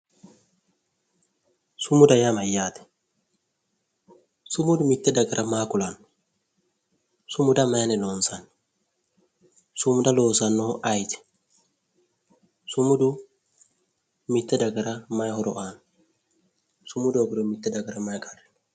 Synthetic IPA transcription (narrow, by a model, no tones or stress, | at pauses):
sʊmʊd̪ɐjamɐjːaːt̪ɛ̥ | sʊmʊd̪ʊmɪt̪ːɛd̪ɐɡɐɾʔɐmaːkʊlɐn | sʊmʊd̪ɐmajnɛlonsɐn | sʊmʊd̪ɐloːsɐnːoʔajt̪ɛ̥ | sʊmʊd̪ʊ | mɪt̪ːɛd̪ɐɡɐɾɐmɐjhɔɾɔʔan | sʊmʊd̪ɔɡɾɔmɪt̪ːɛd̪ɐɡɐɾɐmajkɐr